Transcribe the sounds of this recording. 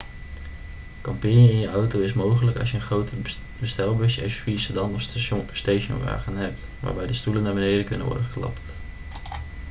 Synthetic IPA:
kɑmpɪnjəɪnjəʔɑwtowɪsmowχələkɑ̰s̬jəəχrowtə | bəstɛlˠbɵsjə̰ɥsfisədɑnɔsteʃə̰nʋa̰ːχənɦɛp̚t | ʋa̰ːɹbɛjdəstulənːaːɹbənejdəkɵnənʋɔ̰ɹdəχəklɑ̰pt

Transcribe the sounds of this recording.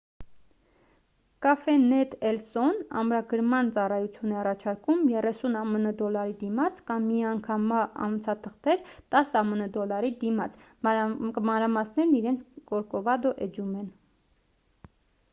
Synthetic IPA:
kɑfɛnɛt̪ɛlsɔnɑ̰mɾɑɡəɾmɑnt͡sɑrɑjut͡sʰjunɛɑrɑt͡ʃʰɑɾkumjɛrɛsunɑmənəd̪ɔlːɑɾid̪imɑt͡sʰkɑmːiɑŋkʰɑmɑɑ̰nvət͡sʰɑt̪ʰəχt̪ɛɾt̪ɑsɑmənəd̪ɔlːɑɾid̪imɑt͡sʰ | mɑnɾɑmɑsnɛɾniɾɛnt͡sʰkɔɾkɔvɑd̪ɔʔɛd͡ʒumɛn

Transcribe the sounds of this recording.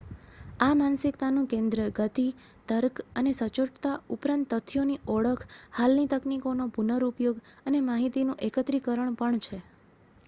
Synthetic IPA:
amansɪkt̪anũkẽnd̪ɾəɡət̪i | t̪əɾkənesət͡ʃoʈt̪aupɾãnt̪ːət̪ʰjoniɔɽəkʰhalnit̪əknikonopunəɾupjoɡənemaɦit̪inũʔekət̪ɾikəɾəɳpəɳt͡ʃʰe

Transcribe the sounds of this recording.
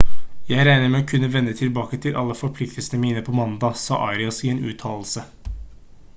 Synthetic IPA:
jæɪɾæɪnəmɛokʰʉnːəʋɛnːət̪ʰɪlbɑːkət̪ʰɪlʔɑ̰lːəfɔɾpʰlɪkt̪əlsənəmiːnəpʰɔmɑnd̪ɑːsɑ̰ːʔɑ̰ɪɾɪɑsieːnʉ̰ːt̪ʰɑːll̩sə

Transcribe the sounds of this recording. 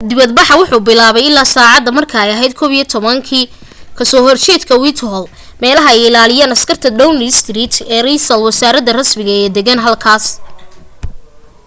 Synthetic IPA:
d̪ɪβɐd̪bɑħɑwʊħuːbɪlaːβɛjɪlːaːsaːʕɑd̪ɐmɐrkʰɐɛjɐɦɛjd̪̚kʰɔːβiːɔt̪ʰɔβɐŋkʰiː | kʰɐsɔːhɔrt͡ʃɛːd̪kʰɐwit̪ʰɦɔl | mɛːlɐɦɐɛjɪlaːlɪjaːnɐskʰɐrt̪ʰɐd̪ɐwnst̪riːt̪ʰɛːrisɐlwɐsaːɾɐðɐrɐsmɪɣɐɛːd̪ɛɣɐnɦɐlkʰaːs

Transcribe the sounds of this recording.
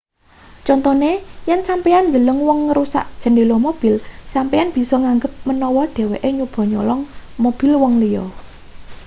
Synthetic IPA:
t͡ʃɔnt̪ɔnejɛnsampijannd̪ələŋwɔŋːɾusa̰ʔd̥ʒ̥ə̤ndelɔmob̥ilsampianb̥i̤sɔŋaŋɡəp̚mənɔwɔɖ̥e̤weʔeɲub̥ɔ̤ɲɔlɔŋmob̥i̤lwɔŋlijɔ̰

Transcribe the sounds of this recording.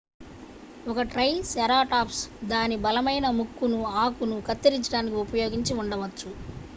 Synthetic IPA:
ɔkɐʈɾɐjsɐɾaːʈaːpsd̪aːnibɐlɐmɐjnɐmukːunuaːkunukɐt̪ːiɾiɲt͡ʃːɐɽaːnik̬iupɐjo̞ːɡiɲt͡ʃiuɳɖɐʋɐt͡ʃːu

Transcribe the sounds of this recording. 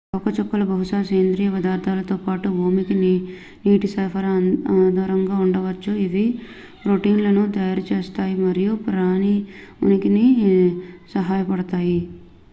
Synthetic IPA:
ɐwkɐt͡ʃɔkːɐlɐbɐɦuʂaːsɐjːɐnd̪ɾiːjɐʋɐd̪aːɾd̪ʰʱaːlɐt̪oːpaːʈuɦoːmikini | niːʈisɐfʰɐɾɐd̪ɐɾɐŋɡaːuɳɖɐʋɐt͡ʃːuid̪i | ɾoʈiːnlɐnut̪ɐjaːɾut͡ʃeːst̪aːjimɐɾijupɾaːnio̰nikini | sɐɦaːjɐpɐɽɐt̪aːji

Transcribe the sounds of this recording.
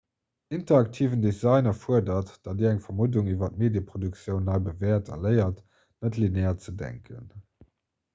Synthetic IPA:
ʔintɐɑk̚tʰiːvəndezɑɪnɐfuɐdɐtd̥ɑdiːæŋfɐmuduŋivɐtmeːdjəpχoduk̚t͡sjəʊnːɑɪbəvɛːɐtʰɑ̰ləɪɐt | nətlinɛːɐt͡sədæ̰ŋkʰə̰n

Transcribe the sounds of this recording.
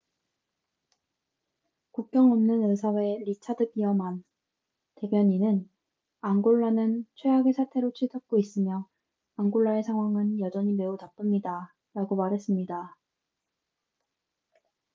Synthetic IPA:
kuk̚k͈jʌŋʌmnɯnɯsʰawe̞ɾit͡ɕʰadɯɡ͈iʌman | te̞bjʌɲinɯn | aŋɡoɭːanɯnt͡ɕʰwe̞aɡesʰatʰe̞ɾot͡ɕʰiɭtʰʌk̚k͈ois͈ɯmjʌ | aŋɡoɭːaesʰaŋɦwaŋɯnjʌd͡ʑʌɲime̞utap͈ɯmɲida | ɾaɡomaɾɦe̞s͈ɯmɲida

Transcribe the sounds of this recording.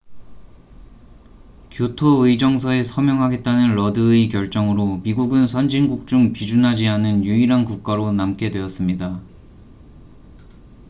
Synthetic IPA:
kjotʰoɯid͡ʑʌŋsʰʌe̞sʰʌmjʌŋɦaɡe̞t̚t͈anɯnɾʌdɯikjʌɭt͡ɕ͈ʌŋɯɾomiɡuɡɯnsʰʌnd͡ʑinɡuk̚t͡ɕ͈uŋpid͡ʑunɦad͡ʑianɯnjuiɾankuk̚k͈aɾonamk͈e̞dwe̞ʌs͈ɯmɲida

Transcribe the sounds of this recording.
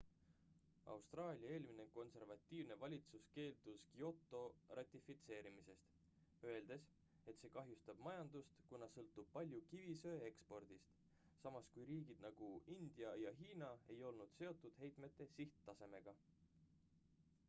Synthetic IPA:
ʔɑ̰wst̪rɑːlʲiɑe̞ːlʲmineko̞nse̞rvɑt̪ʲːiːvne̞vɑlʲit̪suske̞ːld̪̥uskio̞t̪ːˑo̞rʔɑt̪ʲifit̪se̞ːɾimise̞st̪ | øe̞ld̪̥e̞s | e̞t̪se̞ːkɑɦjust̪ɑb̥mɑjɑnd̪ust̪kunɑsɤlt̪ːub̥̚pɑlʲjukivisø̞ːe̞kspo̞rd̪̥ist̪ | sɑmɑskujɾiːɡ̥id̪̥nɑɡ̥uind̪̥jɑjɑɦiːnɑe̞jo̞lnud̪̥se̞o̞t̪ːˑud̪̥ɦe̞jt̪ˑme̞t̪ːˑe̞siht̪t̪ːɑse̞me̞ɡ̥ɑ

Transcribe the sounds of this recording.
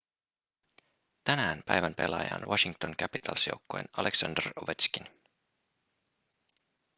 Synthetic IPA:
t̪ænæːnpæjʋæmpe̞̰lɑ̰jɑ̰nʋɑʃiŋkt̪oŋk̟æpit̪ʰɑlsjowkːoḛnɑlʔeksɑ̰nd̪əroʋet̪skin

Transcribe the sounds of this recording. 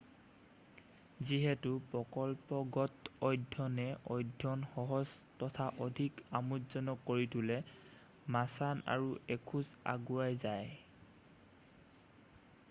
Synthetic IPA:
ziɦɛtʊpɹɔkɔlpɔɡɔtɔjdʱjɔnɛɔjdʱːɔnxɔɦɔz | tɔtʰaʔɔdʱikamutzɔnɔkːoɹitʰʊlɛ | masana̰ɹuekʰuza̰ɡuajzaj

